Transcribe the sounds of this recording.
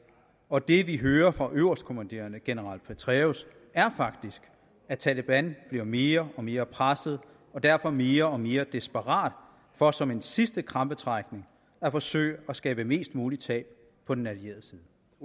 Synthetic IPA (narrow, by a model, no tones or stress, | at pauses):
ɒ̽d̥e̝ʋiɦøːɐfʁɑ̈ʔøʊɐsd̥kʰo̝mænd̥e̝̰ːɐnəɡ̥enəʁɑ̈l̰d̥̚pʰet͡sʰʁɛos | æɐfɑ̈ɡ̥̚d̥isɡ̥ | æt͡sʰæləb̥ænb̥liɐme̝ːɐɒ̽me̝ːɐpʰʁasəð̞̩ˠ | ɒ̽d̥æɐ̰fɒ̽me̝ːɐɒ̽me̝ːɐd̥esb̥əʁɑ̰̈ːd̥ | fɒ̽sɒ̽me̝nsisd̥əkʰʁɑ̈mb̥ət͡sʰʁɑɡ̥ne̝ŋ | æfɒ̽sø̰ːɪ̰æsɡ̥ɛ̰ːb̥əme̝̰ːsd̥muːlit͡sʰɛ̰ːb̥̚ | pʰɒ̽d̥enælie̝̰ɐð̩ˠsiːðˠə